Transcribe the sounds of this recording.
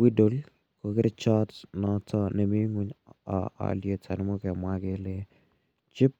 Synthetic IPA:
wi˦do˨l | ko˨kɪɾɪt͡ʃɔ˦tnɔtʰɔ˦ne˨mi˦ŋu˦ɲ̰a̰˨lje˨tʰa˨nɪ˦mɔ˦kɛ˨mwake˦le˦ | t͡ʃɪ˦p̚

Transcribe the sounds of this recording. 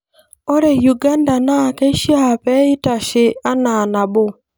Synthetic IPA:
ɔ˦ɾe˨ju˨ɡa˦nda˨na˦˨kɛ˦ʃja˦a˨pɛ˦ɪ˦ta˨ʃe˨a˦na˨na˨bo˦

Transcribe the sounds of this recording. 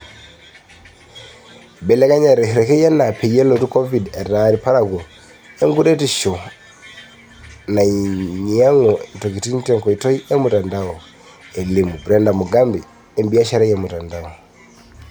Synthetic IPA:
bɛ˨le˦ka˦ɲa˨ɾe˨hɾe˨ke˦ja˦na˨pʰe˨je˦lo˨tu˦kɔ˦vi˨de˨ra˨ɾi˨pa˦ɾa˨kɔ˨ | e˦ŋɡu˦ɾe˦ti˦˨ʃɔ˨ | na˨iɲi˨a˦ŋɔ˨to˨ki˨ti˦n˦tɛ˦ŋkɔ˨i˨tɔ˦i˦ʔe˦mu˨ta˨nda˦ɔ˨ | e˨li˨mu˨bɾe˦nda˨mu˨ɡa˦mbi˨ | e˦mbi˦ja˦ʃa˦ɾa˦jemu˨ta˨nda˦ɔ˨

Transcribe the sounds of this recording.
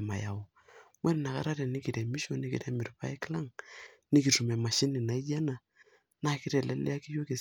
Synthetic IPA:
ma̰˨ja˨o˨ | wɛ˦n˨na˨ka̰˦ɾa˦ɾɛ˨nɪ˦ki˨ɾɛ˨mi˦ʃo˦˨ni˦kḭ˨ɾɛ˦mɪ˨ɾpa˦ɛ˦kla˦ŋnɪ˦ki˨tu˨mɛ˨ma˨ʃi˦nɪ˨na˨i˦d͡ʒa˦na˨ | na˦kɪ˦ɾɛ˨lɛ˦lɛ̰˦a˦ki˦jo˦ke˨

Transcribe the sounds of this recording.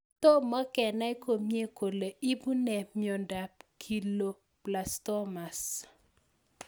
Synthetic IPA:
tɔ˦ma˦kɛ˨na˦i˦ko˨mje˦ko˨le˨ʔi˦bu˦nɛ˨mɪ˦ɔ˨nda˨p̚kʰi˦˨lo˦ | pla˨stɔ˦ma˨s

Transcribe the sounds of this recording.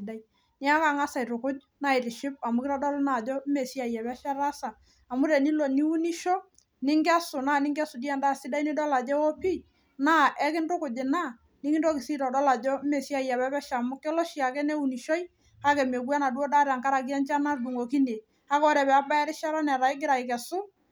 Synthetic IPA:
ɪ˨da˦i˦ | nɪ˦a˦ka˨ŋa˦sa˨i˨ɾʊ˨kʊ˦d͡ʒ | na˦˨ɪ˨ɾɪ˨ʃɪ˦p̚a˨mʊ˦kɪ˦ɾɔ˦dɔ˦lna˦˨d͡ʒɔ˦me˨si˦a˨jɛ˨bɛ˦ʃɛ˦ɾa˦saː˨ | mʊ˦ɾɛ˨ni˦lo˨ni˦u˦ni˦ʃɔ˦ | nɪ˦ŋɡa˦sʊ˨na˦˨nɪ˦ŋɡa˦sʊ˨di˦a˦˨nda˦˨sɪ˦da˦i˦ni˦dɔ˦la˨d͡ʒɛ˦wɔ˦pi˦ | na˦ʔɛ˦kɪ˦ndʊ˦kʊ˨d͡ʒɪ˨na˦˨ | nɪ˦ŋɪ˦dɔ˦kɪ˨si˦ɾɔ˨dɔ˦la˨d͡ʒɔ˦me˨si˦a˦˨ja˨bɛ˦bɛ˦ʃa˨mʊ˦kːɛ˦lɔ˦ʃi˨a˨kɛ˦ne˦u˨ni˨ʃɔ˦j | a˦kɛ˨me˨ɡwa˦na˨du˦o˦da˦ɾa˨ŋka˦ɾa˨ɡi˦a˦nt͡ʃa˦na˦du˨ŋo˨ki˦ne˨ | a˦kɔ˦ɾɛ˨bɛ˨a˦ba˦ɛ˦ɾɪ˦ʃɛ˦ɾɔ˦nɛ˨ɾa˨ɪ˦ɡ̬ɪ˦ɾa˨ɪ˨kɛ˨sʊ˦

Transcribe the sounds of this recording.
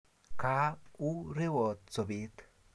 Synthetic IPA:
kaː˦u˦ɾe˦wo˨t̪t͡so˨bi˦t̪

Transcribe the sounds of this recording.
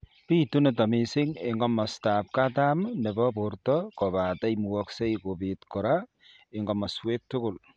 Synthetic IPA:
pi˦tu˦ne˨ta˨mi˨sɪ˦ŋɪ˨ŋɡɔmɔ˨stap̚katamne˨bɔbortɔkɔba˨ta˦jmu˨wɔkse˦jko˨pi˨tkɔ˨ɾa | ɪ˨ŋɡɔmɐswek̚tʊ˦kʊ˨l

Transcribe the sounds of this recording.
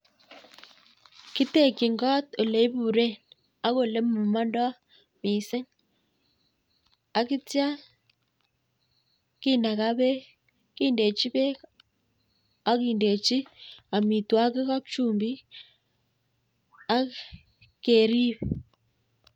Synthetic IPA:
ki˦te˦˨ki˨ŋɡɔ˦to˨le˨i˦bu˨ɾe˦n | a˦ko˨le˦mu˨ma˦ndɔ˦ | mi˨sɪ˦ŋ | a˨ki˦tja˦ | ki˦na˨ka˦be˦ | ki˦nde˨t͡ʃi˦be˦ | a˦ki˨nde˨t͡ʃi˦a˨mi˨twa˦kɪ˦kɔ˦k̚t͡ʃu˦˨mbi˦ | a˦k | ke˨ɾi˦p

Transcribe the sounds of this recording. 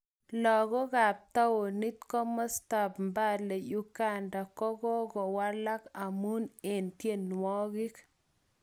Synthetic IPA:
lɔ˨ɡɔ˦ɡa˨p̚t̪a˦wo˨ni˦t̪kɔ˦mɔ˦sta˨bmba˦dle˨ju˦ɡa˦nda˨kɔ˦ɡɔ˦ɡɔ˨wa˦la˦ka˨mu˦ne˨nt̪je˦˨nwɔ˦ɡɪ˦k

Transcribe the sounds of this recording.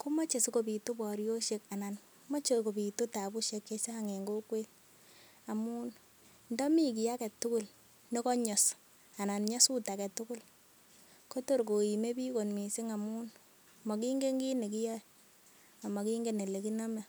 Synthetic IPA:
ku˦mɔ˦t͡ʃe˨si˦ko˨pi˨tu˦bɔ˨ɾjo˦ʃe˦ka˨na˨n | mɔ˦t͡ʃe˦ko˨pi˨tu˦ta˨bu˦ʃe˦kje˦t͡ʃa˦ha˦ŋe˨ŋɡo˦kwe˦l | a˨mu˦n | ndɔ˦mi˦k̬i˨ja˦kɛ˨tu˦kʊ˦l | ne˦kɔ˦ɲɔ˨s | a˨na˨nɲa˦su˦ta˨kɛ˨tʊ˦kʊ˦l | ko˦to˦ɾko˨i˨me˦pi˦ko˨nmi˨si˦ŋa˨mu˦n | mɔ˨ki˦ŋɡe˦ŋɡi˦ne˨k̬i˦ja˦ | a˨ma˨ki˦ŋɡe˦ne˨le˨ki˦na˦mɛ˨

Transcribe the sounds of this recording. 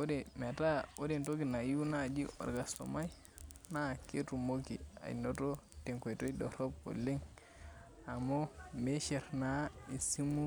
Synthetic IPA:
o˦de˨me˨ta˦o˦de˨nto˦ki˨na˨ju˦na˦˨d͡ʒi˦ɔ̰˨ɾɡa˨sto̰˨ma˦j | na˦ke˦tu˨mo˦ki˨a̰˨ḭno˦to˦te˨ŋkʷe˨to˦iɗɔ˨ɾo˦p̚o̰˨le˦ŋ | a˨mo˦me˦ʃe˨ɾna˨˦i˨si˦mu˦

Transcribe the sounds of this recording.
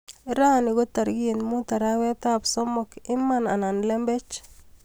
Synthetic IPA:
ɪ˦ɾa˦˨nɪ˨ɡo˦ta˨ɾɡi˦˨nmu˦ta˨ɾa˦wɛ˦ta˦psɔ˦mɔkɪ˦mːa˨na˨na˨nle˦mbe˦t͡ʃ

